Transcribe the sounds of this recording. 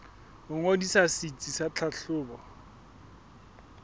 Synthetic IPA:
ʊŋodisasit͡sʼisat͡ɬʰaɬʰʊːbɔ

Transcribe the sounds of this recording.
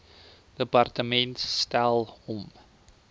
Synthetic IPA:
d̥əpɑrtəmɛntːtælˠɔm

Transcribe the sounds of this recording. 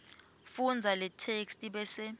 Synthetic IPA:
fund͡zʱalɛtʰekstʼiɓɛsɛ

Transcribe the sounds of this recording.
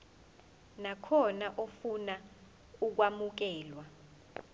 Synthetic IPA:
nakʰɔnaʔofuna | uk̬wamuk̬ɛːlwa

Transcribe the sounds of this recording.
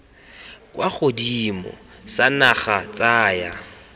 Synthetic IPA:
kʼwaχʊdimɔ̰sanaχat͡sʼaːja

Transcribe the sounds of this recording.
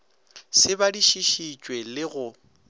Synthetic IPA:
sɪbadiʃiʃit͡ʃʼwelɪɣʊ

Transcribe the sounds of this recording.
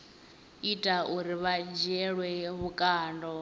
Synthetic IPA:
itʼaʔuɾiβad͡ʒɛɺwɛβukʼaːndɔ

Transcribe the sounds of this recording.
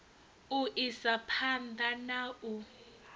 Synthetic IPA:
uʔisapʰandanaːʔu

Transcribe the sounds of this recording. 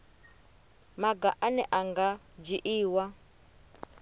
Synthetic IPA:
maɡaʔanɛʔaŋɡa | d͡ʒiʔiːwa

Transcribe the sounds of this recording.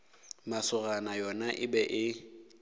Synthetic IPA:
masʊranajɔnaʔɪbɛʔɪ

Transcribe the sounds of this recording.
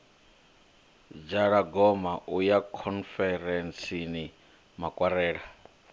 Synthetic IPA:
d͡ʒaɺaɡɔmaʔujakʰɔnfɛɾɛnsini | makʼwaɾɛːɺa

